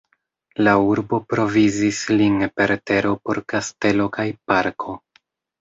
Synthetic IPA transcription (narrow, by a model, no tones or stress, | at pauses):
lauɾbo̞pɾo̞vizislinpe̞ɾte̞ɾo̞po̞ɾkaste̞lo̞kajpaɾkʰo̞